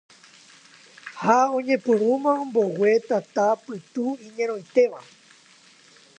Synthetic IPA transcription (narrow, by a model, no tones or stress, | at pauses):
haõ̞ɲẽpɨɾũmãõmbo̞we̞t̪at̪apɨt̪uĩɲẽ̞ɾ̃o̞jt̪e̞ʋa